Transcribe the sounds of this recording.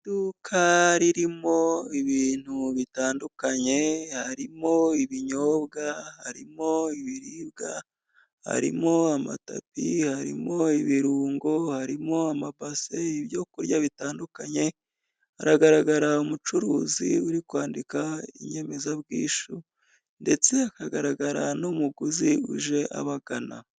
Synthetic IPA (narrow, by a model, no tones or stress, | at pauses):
dukʰaɾiɾimo̞iβiːn̥huβitaːndukaɲe̞haɾimo̞iβiɲoːbɡaha̰ɾḭmo̞iβiɾiːbɡa | ha̰ɾḭmo̞ama̰ta̰pihaɾḭmo̞iβiɾuːŋɡo̞haɾimo̞amabaseiβjo̞kuɾjaβitaːndukaɲe̞ | aɾaɡaɾaɡaɾaumut͡ʃuɾuːziuɾikwaːndikaḭɲe̞me̞zabɡḭːʃu | nde̞t͡se̞akaɡaɾaɡaɾanomuɡuziṵʒe̞ʔa̰βaɡana̰